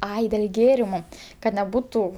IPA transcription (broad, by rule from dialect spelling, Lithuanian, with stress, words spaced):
ˈɐɪ dʲeːlʲ ˈɡʲeːrʲɪmʊ ˈkɐt nʲɛˈbʊtʊ